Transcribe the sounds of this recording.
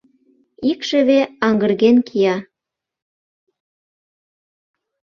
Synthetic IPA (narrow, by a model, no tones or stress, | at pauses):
ikʃə̆βeɑŋɡə̆rɣenkʰijɑ